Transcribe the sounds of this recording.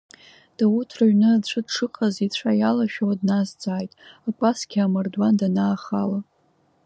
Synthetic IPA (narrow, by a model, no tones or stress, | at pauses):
d̥awutʰrɨɥnɨat͡ɕʷʰɨdʂʰɨqʰʼazit͡ɕʷʰajalaʃᶣawadnazd͡zʼaːjtʼakʷʼasɡʲamardwandanaːχa̰la